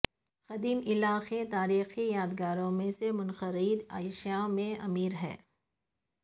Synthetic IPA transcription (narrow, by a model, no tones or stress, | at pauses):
xɐd̪iːmɪlaːxet̪aːɾiːxijaːd̪ɡaːɾõmẽsemʊnxəɾiːd̪a̰ːɪʃjamẽɐmiːɾɦɛ̰ː